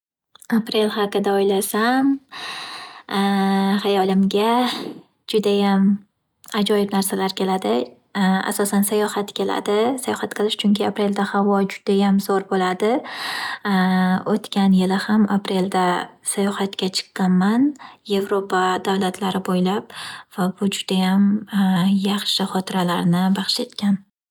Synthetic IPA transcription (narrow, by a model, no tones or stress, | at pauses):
apɾe̞lhaqɨd̪aɒjlasam | hajɒlˠɪmɡʲa | d͡ʒʊd̪ajam | ad͡ʒɒjɪbnaɾsalaɾkʲʰe̞lad̪ɪ | a̰sɒsansajɒhat̪kʲʰe̞la̰d̪ɪsajɒhat̪qʰɨlˠɪʃt͡ʃʰʊŋkʲɪapɾe̞ld̪ahavɒd͡ʒʊd̪̥ajamz̥ɒɾbolad̪ɪ | ot̪kʲanjɪlɪhamapɾe̞ld̪asajɒhat̪kʲat͡ʃʰɨ̥qːɑnmanje̞vɾopʰad̪awlat̪ʰlaɾɪbojlap̚v̥abʊd͡ʒʊd̪̥ajam | jɑχʃɪχɒt̪ʰɪɾalaɾnɪbaχʃet̪kʲʰan